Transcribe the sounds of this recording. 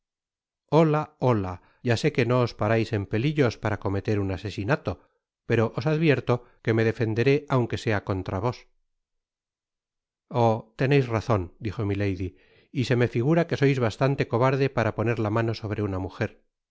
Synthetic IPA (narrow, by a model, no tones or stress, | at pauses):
o̞laola | ɟ͡ʝase̞ke̞no̞ːspaɾajse̞mpe̞liʎo̞spaɾako̞me̞t̪e̞ɾunase̞sinat̪o̞ | pe̞ɾo̞ʔosaðβje̞ɾt̪o̞ke̞me̞ðe̞fe̞nd̪e̞ɾe̞ʔawŋke̞se̞ako̞nt̪ɾaβo̞s | ot̪e̞ne̞jsraθo̞nd̪ixo̞mile̞jði | ise̞me̞fiɣ̞uɾake̞so̞jzβast̪ant̪e̞ko̞βaɾðe̞paɾapo̞ne̞ɾlamano̞so̞β̞ɾe̞unamuxe̞ɾ